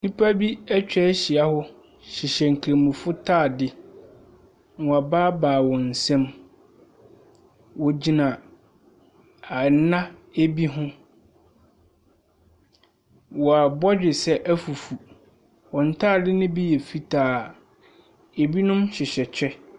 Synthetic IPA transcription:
nĩ˦pʰa˦bi˦ɛ˦t͡ɕᶣɛ˦ɕi˨a˨hʊ˦ | ɕɪ˨ɕɛ˨ŋ̩˨kʰe˨mũ˨fʊ˦tʰaː˦˨dɪ˦ | n˨ɔ˨a˨baː˦baː˨wɔ̃˨n̩˨sɛ̃˦m | wɔ˨d͡ʑi˨nã˨ | a˨n˦nã˦e˦bi˦ɦʊ̃˦ | wɔ˨a˨bɔ˦d͡ʑᶣɪ˨sɛ˦ʔæ˦fu˨fu˨ | wɔ̃˨n̩˨tʰaː˦˨dɪ˦nɪ̃˦bi˦jɛ˨fi˦tʰaː˨ | e˨bi˦nʊ̃˦mɕɪ˨ɕɛ˨t͡ɕʰᶣɛ˦

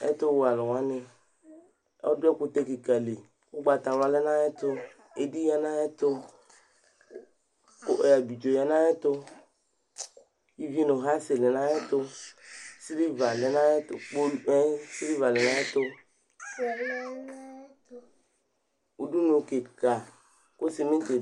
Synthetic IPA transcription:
ɛ̰˦t̪o˦wo˨˦a˨lɔ˨wa˦ne˨ | ɔ˦dʊ˦ɛ˦kʊ˦t̪e˦ki˨ka˨le˨ | wo˦ɡ͡ba˨t̪a˨la˦le˦nã˦ɛ˦t̪o˦ | e˨di˦ja˦nã˦ɛ˦t̪o˦ | o˦˨ja˨bi˨d͡ʒo˨ja˨nã˦ɛ˦t̪o˦ | ji˦vi˦no˨ɦa˦se˨le˨nã˦e˦t̪ʊ˦ | si˦li˦va˨le˨nã˦ɛ˦to˨k͡po˦e˦si˦li˦va˨le˨nã˦e˦t̪ʊ˦˨˦ | u˨du˦no˨ke˨ka˨ | ko˦si˨me˦t̪e˨

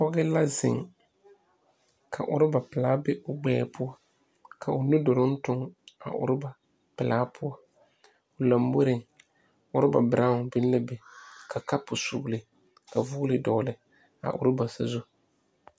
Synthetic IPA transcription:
pɔ˦ɣɪ˦la˦zɪ̰˨ŋ | kʰa̰˨ʔʊ̰˨ɾɪ˦ba˨pɪ˨laː˦bɛ˦ʔʊ˨ɡ͡bɛː˦˨pʰʊ˦ɔ˦ | kʰa˨ʊ˨nʊ˦do˨ɾʊ˦n̩˦tʊ˦ŋa̰˨ʔʊ̰˨ɾɪ˦ba˨ | pɪ˨laː˦pʰʊ˦ɔ˦ | ʊ˨la˨mbo˦ɾɪ˨ŋ | ʊ˦ɾɪ˦ba̰˨bɪ˨ɾa˦ŋʊ˨bɪ˦n˦la˦be˨kʰa˨ka˦pʊ˨su˨lɪ˨ | ka˨vu˦lɪ˨dɔ˨lɪ˨ | a̰˨ʔʊ̰˨ɾɪ˦ba˨sa˨zu˦

